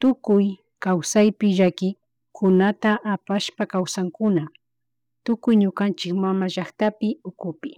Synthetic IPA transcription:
t̪ʊkʊj | kawsajpɪʒakɪ | kʰʊnat̪aʔapaʃpakawsaŋkʊna | t̪ʊkʊjɲʊkant͡ʃɪkmamaʒaχt̪apɪʊkʊpɪ

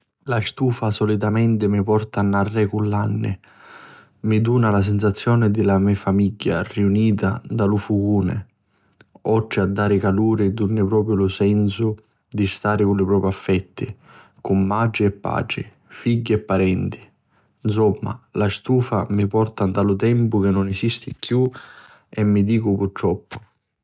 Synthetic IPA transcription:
last̪uːfasɔlit̪amɛnt̪ɪmipɔrt̪aːnːarːɛkulːanːɪ̰ | mid̪uːnalas̬ɛns̬at̪sːjɔːnɪd̪ɪlamɛfamiɟːa̰riuniːt̪ad̪alʊfuɡuːnɪ̰ | ɔʈːɾɪad̪ːaːɾɪkaluːɾɪd̪unːɪpɾɔːp̬ɾjʊlʊsɛnsʊ | d̪ist̪aːɾɪkʊnlɪpɾɔːpɾiafːɛt̪ːi | kʊmːat͡ʃɪɛpːa̰ːt͡ʃɪ | fiɟːiɛpːaɾɛnt̪i̥ | ns̬ɔmːa̰last̪uːfamipɔrt̪and̪alʊt̪ɛmpʊkɪnːʊnɛsist̪ɪkʰju | ɛmːid̪iːkʊpurt̪ɾɔpːʊ̥

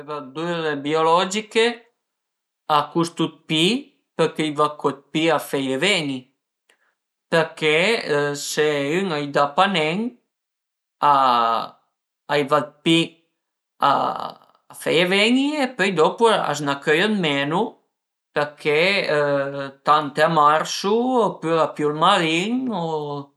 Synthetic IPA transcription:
vad̪uɾebiolɔd͡ʒike | akust̪ut̪̚pi | pɛɾkɛjvakɔt̪̚piafɛjevɛɲi | pɛɾkeseyŋajd̪apanɛŋ | a | ajvad̪̚pi | a̰ | fɛjɛvɛɲiepɔjd̪ɔpua̰znakœjɔnmɛnu | pɛɾkʰɛ | t̪ant̪ɛamaɾsuɔpyapjulmaɾiŋɔ

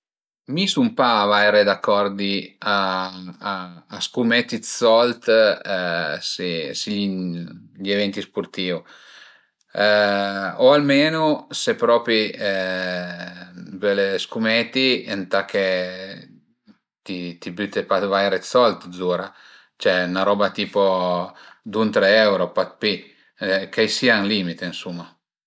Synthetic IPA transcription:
misumpavajɾed̪akːɔɾd̪ia | skumɛt̪isɔlt̪ | sisi | ʎevɛnt̪ispuɾt̪iːu | oalmeːnosepɾɔːpɾi | vɛlskumɛt̪ient̪akʰe | t̪it̪ibyt̪epat̪vajɾet̪sɔlt̪zuːɾa | t͡ʃɛnaɾɔːbat̪iːpo | d̪unt̪ɾɛɛwɾopat̪̚pi | kajsiaŋlimit̪einsumːa

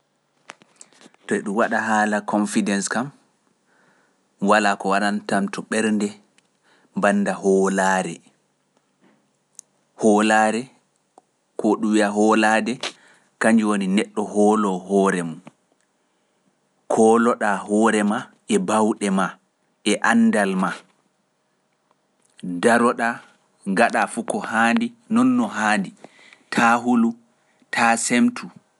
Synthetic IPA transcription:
tɔɛɗumwaɗaɦaːlakɔnfidɛnskam | walakɔwaɗantamtʰɔɓɛɾndɛ | banːdahɔlaːɾɛ | hɔːlaɾɛ | kʰɔɗumwiaɦɔladɛ | kaɲd͡ʒuwoninɛɗːɔhɔːlɔɦɔːɾɛmun | kʰɔːlɔɗahɔːɾɛma | ɛbawɗɛma | ʔɛʔanːdalma | daɾɔɗa | ŋɡaɗafukɔhaːndinɔnːɔɦaːndi | tʰaɦulu | tʰaːsemtʰu

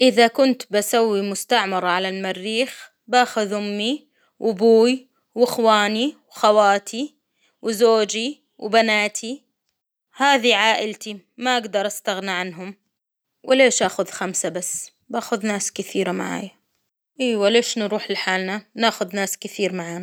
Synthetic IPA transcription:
ʔɪðakʊnt̪basawːimʊst̪aʕmɑɾˤɑʕalalmarːiːx | baːxʊðʊmːi | wɪbuːj | wɪxwaːniwxawaːt̪ʰi | wzoːd͡ʒi | wbanaːt̪ʰi | haːðiʕaːʔɪlt̪i | maʔaɡd̪ɑɾˤʔast̪aɣnaʕanɦʊm | wʔɪleːʃʔaːxʊðxamsabasː | baːxʊðnaːskɪθiːɾamaʕa̰ːja | ʔiːwaleːʃnɾuːħlɪħaːlnanaːxʊðnaːskɪθiːɾmaʕaːna

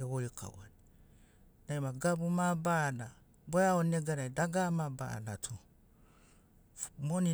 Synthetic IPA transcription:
ewoika̰wa̰ni | naimaɡabumabana | bɔjaoneɡaɾaidaɡamaba̰natʰu | moni

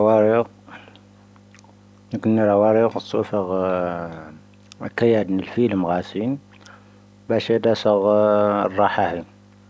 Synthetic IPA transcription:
wɑɾiq | nkʊnːiɾˤɑwɑɾiqsˤufəɣ | kæjæd̪nəlfiləmɣæsin | bæʃed̪æsəɣrˤːɑħahi

